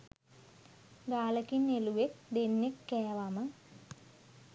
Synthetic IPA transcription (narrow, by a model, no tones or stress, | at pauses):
ɡaːləkinːeluʋek̚d̪enːekːɛːʋamə